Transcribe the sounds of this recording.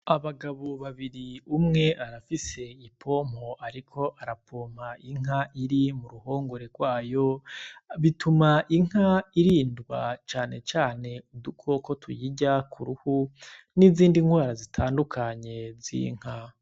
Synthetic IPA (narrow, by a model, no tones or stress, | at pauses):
aβaɡaβoβaβiɾiumŋe̞ʔaɾafise̞ipʰo̞ːm̥o̞aɾikʰo̞ʔaɾapʰoːm̥aʔiŋ̥aʔiɾimuɾuho̞ːŋɡo̞ɾeɡwaːjo̞βitʰumaʔiŋ̥aiɾiːndɡwa̰t͡ʃaːne̞t͡ʃaːne̞udukʰo̞ko̞tʰujiɟakʰuɾuhu | niziːndiŋɡwaːɾazitʰaːndukʰaɲe̞zḭŋ̥ha